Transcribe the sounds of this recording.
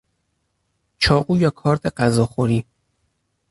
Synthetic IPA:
t͡ʃʰɒːɢuːjɒːkʰɒːɾt̪ʰeɢæzɒːxoɾiː

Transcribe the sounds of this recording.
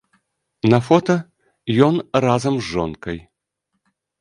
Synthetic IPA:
nɐfɔt̪ɐ | jɔnrazɐmzːɔnkɐj

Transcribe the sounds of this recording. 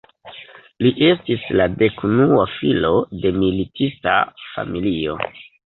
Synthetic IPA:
liʔe̞stislade̞kunuafilo̞de̞militista̰fa̰milio̞̰

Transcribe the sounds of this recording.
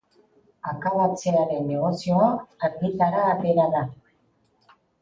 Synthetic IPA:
akaβat͡seaɾe̞nːe̞ɣo̞sio̞akaŋɡit̪aɾaːt̪e̞ɾaða

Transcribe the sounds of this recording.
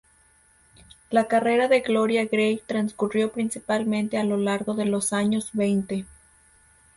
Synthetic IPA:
lakare̞ɾaðe̞ɣlo̞ɾjaɣɾejt̪ɾanskurjo̞pɾinsipalmẽ̞nt̪e̞alo̞laɾɣo̞ðe̞lo̞saɲo̞zβe̞jnt̪e̞

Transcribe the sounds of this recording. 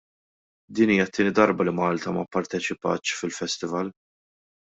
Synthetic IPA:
d̪iːniːjɐt̪ːɪːnɪd̪ɐɾbɐlimɐːlt̪ɐmɐpːɐɾt̪ɛt͡ʃɪpɐːt̪ːʃfɪlfɛst̪ɪvɐl

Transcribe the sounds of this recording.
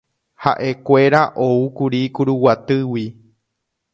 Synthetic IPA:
haʔe̞kʷe̞ɾaʔoukuɾikuɾuwat̪ɨwi

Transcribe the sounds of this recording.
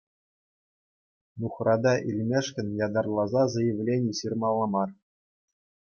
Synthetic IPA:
nuχrɑd̪ɑʔilʲmʲeʂkʲɘ̆nʲjɑd̪ɑrlˠɑzɑzɤ̆jɘ̆ʋʲlʲenʲiɕirmɑlˠːɑmɑr

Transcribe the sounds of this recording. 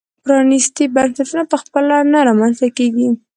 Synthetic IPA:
pɾɑnist̪ibansat̪unapəxpəlanaɾɑmanzt̪akeɡi

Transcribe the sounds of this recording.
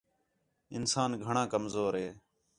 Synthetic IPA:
ɪ̰nsaːnɡʱəɳãːkəmzoːɾɦeː

